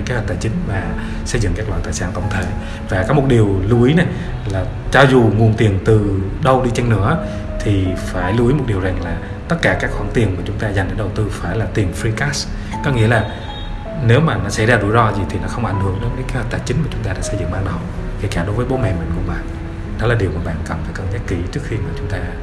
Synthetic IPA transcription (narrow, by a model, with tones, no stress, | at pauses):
ke˧˨˦həː˨˩t̚t̪aː˨˩jt͡ɕï˨˦ŋ̟vaː˨˩ | sə˧jzɨ̰˧˨ŋkaː˦˥klwa̰˧˨t̪aː˨˩sa̰ː˧˥nt̪ə̰˧wŋ͡mt̪ʰe˧˩ | vaː˨˩kɔː˨˦mo˨˩t̚ɗi˨˩əwlu˧ʔi˨˦na˨˩j | laː˨˩ | t͡ɕɔ˧zu˨˩ŋu˨˩ənt̪i˨˩ənt̪ɨ˨˩ɗə˧wɗi˧t͡ɕe˧nnɨ̰˧˥ə | t̪ʰi˨˩faː˧˩jlu˧ʔi˨˦m˨˩t̚ɗi˨˩əwza˨˩ŋlaː˨˩ | t̪ə˦˥t̚kaː˧˩kaː˦˥k̚xwaː˧˩ŋt̪i˨˩ənmaː˨˩t͡ɕʊ˨˦ŋ͡mt̪aː˧zjŋ̟ɗəː˨˦ɗə˨˩wt̪ɨ˧faː˧˩jlaː˨˩t̪i˨˩əmfɾi˧kaː˦˥s | kɔ˨˦ŋḭ˧˥əlaː˨˩ | ne˨˦wmaː˨˩nɔ˨˦sa̰˧˩jzaː˧zṵ˧˩˦jzɔ˧zi˨˩t̪ʰi˨˩nɔ˨˦xə˧wŋ͡mʔa˧˩jŋhɨ˧˩əŋɗə˨˦nkaː˨˦ke˨˦hə˨˩t̪aː˧˨˩t͡ɕï˨˦ŋ̟maː˨˩t͡ɕʊ˨˦ŋ͡mt̪aː˧ɗaː˧˥sə˧jzɨ̰˧˨˩ŋɓaː˧˩ɓa˨˧˩wkḛ˧˩kaː˧˩ɗo˨˦jvəː˨˦jɓo˨˦mɛ̰˧˨mï˨˩ŋ̟kʊ̰˧˥ŋ͡mɓa̰ː˧˨n | ɗɔ˨˦laː˨˩ɗi˨˩əmaː˨˩ɓa̰ː˧˨nkə˨˩nfaː˧˩jkə˨˩nzaː˦˥k̚ki˨˦t͡ɕɨ˦˥ək̚xi˧maː˨˩t͡ɕʊ˨˦ŋ͡mt̪aː˧